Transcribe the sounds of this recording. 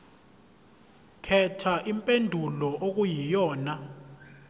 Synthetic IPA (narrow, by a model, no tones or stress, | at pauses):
kʰɛtʰaʔimpʼendʱulɔʔok̬ʼujijɔːna